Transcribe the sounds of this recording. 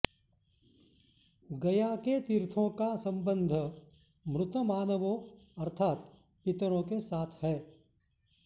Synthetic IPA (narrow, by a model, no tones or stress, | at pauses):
ɡɐjaket̪ɪɾt̪ʰõkasɐ̃mbə̃nd̪ʱ | mɾʊt̪əmaːnəʋõ | ɐɾt̪ʰaːt̪ | pɪt̪ɾõkesaːt̪ʰhɛː